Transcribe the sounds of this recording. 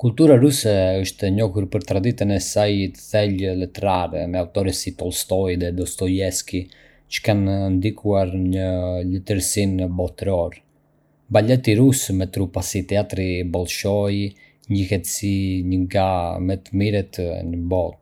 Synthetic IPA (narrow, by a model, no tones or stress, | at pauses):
kult̪uɾaɾusɛəʃt̪ɛɲɔhuɾpəɾt̪ɾad̪it̪ənɛsajt̪əθɛllɛt̪ɛɾaɾɛ̰mɛaut̪ɔɾɛsit̪ɔlˠst̪ɔjðɛd̪ɔst̪ɔjɛski | t͡ʃə̥kannd̪ikuaɾɲələt̪əɾsinbɔt̪ɾɔɾ | balɛt̪iɾusmɛt̪ɾupasit̪ɛat̪ɾibɔlˠʃɔj | ɲəhɛt̪siɲəŋɡamɛt̪əmiɾɛt̪nəbɔt̪̚